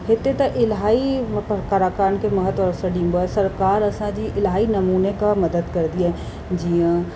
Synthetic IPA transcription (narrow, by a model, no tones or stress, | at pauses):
ɦɪt̪et̪ɐʔɪlɦaːipkaɾakaːnkemɐɦət̪wɔɾsəɖĩːmbəsɐɾkaːɾɐsãd͡ʒiʔɪlɦaːinɐmuːnekamɐd̪əd̪kɐɾd̪iaɦɛ | d͡ʒiã